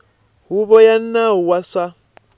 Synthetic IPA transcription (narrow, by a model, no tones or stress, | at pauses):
huβɔjan̩nauwasa